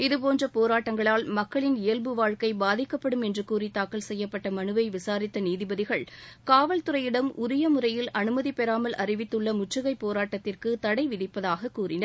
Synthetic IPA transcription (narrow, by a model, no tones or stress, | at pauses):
ɪðɯp̬oːndrɐpoːɾaːʈːɐŋɡɐɭaːlmɐkːɐɭɪnɪjɐlbɯʋaːɻkɐɪbaːðɪkːɐpːɐɽɯmɛndrɯkuːrit̪aːkɐlsɛjːɐpːɐʈːɐmɐnɯʋɐɪʋɪsaːɾɪt̪ːɐniːðɪbɐðɪɣɐɭkaːʋɐlt̪ɯɾɐjɪɽɐmʔʊɾɪjɐmʊɾɐjɪlʔɐnɯmɐðipɛɾaːmɐlʔɐrɪʋɪt̪ːɯɭːɐmʊʈt͡ʃɯɣɐɪpːoːɾaːʈːɐt̪ːɪrkɯt̪ɐɽɐɪʋɪðɪpːɐðaːɣɐkːuːrɪnɐɾ